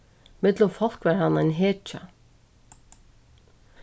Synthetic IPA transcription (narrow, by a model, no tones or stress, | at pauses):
mɪd̪lʊmfɑl̥kʋæːɾhɑnɛnɦeːt͡ʃə̰